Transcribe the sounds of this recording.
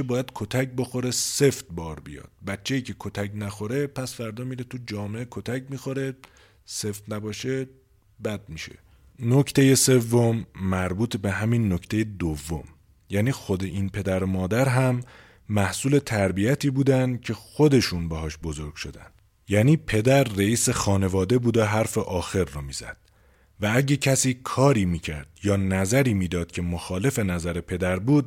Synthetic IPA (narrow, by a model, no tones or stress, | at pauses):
ebɒːjæd̪̥̚kʰot̪ʰæc̚bo̞xo̞ɾe̞se̞ft̪̚bɒːɾbijɒ̰ːd̪̥̚bætt͡ʃʰːe̞jiːcʰe̞kʰot̪ʰæcnæxo̞ɾe̞pʰæsfæɾd̪ɒːmiːɾet̪ʰud͡ʒɒːmeʔekʰot̪ʰæcmiːxoɾe̞ | se̞ft̪næbɒːʃe | bæd̪̚miʃḛ | nocʰt̪ʰe̞je̞se̞vːomːæɾbuːt̪ʰebeɦæminːoct̪ʰe̞jed̪ovːo̰m | jæːniːxod̪e̞ʔinpʰe̞d̪æɾomɒːd̪æɾɦæmː | æhsuːle̞t̪ʰæɾbijæt̪ʰiːbuːd̪ænd̪cʰe̞xo̞d̪e̞ʃuːnbeɦɒːʃbo̞zo̞ɾɡ̥ʃo̞d̪æ̰nd̪̥ | jæːniːpʰe̞d̪æɾːeiːsexɒːne̞vɒːd̪e̞buːd̪oɦæɾfeʔɒːxe̞ɾːomiːzæ̰d̪̥ | vææɟe̞cʰæsiːkʰɒːɾiːmiːcʰæɾd̪̥jɒːnæzæɾiːmiːd̪ɒːd̪̥cʰe̞moxɒːle̞fe̞næzæɾe̞pʰe̞d̪æɾbuːd̪̚